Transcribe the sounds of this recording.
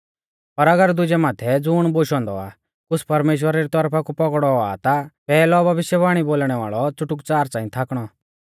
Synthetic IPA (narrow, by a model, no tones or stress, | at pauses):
pɐɾɐɡəɾd̪ʊd͡ʒɛmaːt̪ʰɛd͡zʊːɽ̃boːʃɔ̃ːnd̪ɔ̰a̰ː | kʊt͡spɐɾmeːʃ̬wəɾaɾit̪ɔɾpʰakupɔkɽɔa̰t̪apɛːlɔbɐʋɪʃjɛbaːɽ̃iboːlɽ̃ɛʋa̰ːɭɔt͡sʊʈʊkt͡saːɾt͡sãːĩt̪ʰaːkɽ̃ɔ